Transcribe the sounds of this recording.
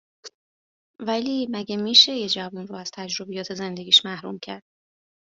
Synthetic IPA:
væliːmæɟemiːʃe̞jed͡ʒævunruæz̥t̪ʰæd͡ʒɾobijɒːt̪ʰe̞ze̞nd̪e̞ɡʲiːʃmæhɾṵmcʰæɾd̪̥̚

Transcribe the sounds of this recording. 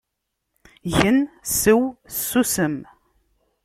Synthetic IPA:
ʝənsəwsːusəm

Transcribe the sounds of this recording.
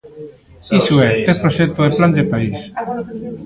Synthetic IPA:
isuɛt̪epɾoʃet̪oðepland̪epais

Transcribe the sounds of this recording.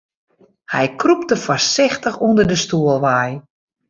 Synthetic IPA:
hɛjkrup̚təfɔrsɪxtəxundərdəstuəlˠʋaj

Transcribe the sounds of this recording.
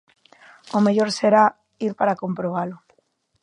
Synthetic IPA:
omeʎoɾseɾa | iɾpaɾakompɾoβ̞alʊ

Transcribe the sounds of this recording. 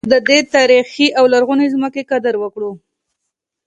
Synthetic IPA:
d̪əd̪et̪aɾixiʔawlaɾɣunezməkekad̪aɾwəkɽu

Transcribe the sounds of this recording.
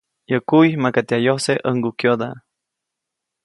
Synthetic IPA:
jəkujmakat̪eajohseʔəŋɡukjod̪a

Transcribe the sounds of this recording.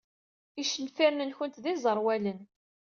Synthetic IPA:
iʃənfiɾnənçənt̪ðizˤəɾˤwælən

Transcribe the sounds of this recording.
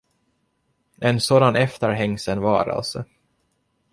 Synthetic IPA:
ɛnsoːd̪anɛft̪əɾɦɛŋːsənvɑ̰ːɾa̰lsɔ

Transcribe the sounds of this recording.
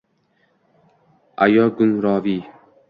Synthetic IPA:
a̰jɒɡʊnɾɒːvi

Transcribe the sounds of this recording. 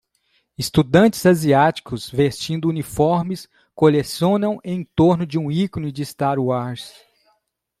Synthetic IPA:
ɪst̪ud̪ɐ̃nt͡ʃɪ̥zaziat͡ʃi̥kʊzvest͡ʃĩnd̪ʊunifɔɾmɪs | kolesõnɐ̃w̃ẽj̃t̪oɾnʊd͡ʒɪũikonʊd͡ʒɪst̪aɾwaɾs

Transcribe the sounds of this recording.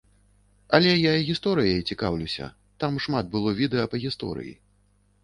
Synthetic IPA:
ɐlʲɛjaiɣʲist̪ɔɾɨjɐjit͡sʲikawlʲuwsʲɐ̰ | t̪amʂmat̪̚bɨlˠɔvʲid̪ɛjɐpɐɣʲist̪ɔ̰ɾɨ̰jḭ

